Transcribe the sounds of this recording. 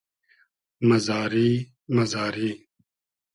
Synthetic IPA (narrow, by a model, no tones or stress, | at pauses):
mɐzaːɾiː | mɐzaːɾiː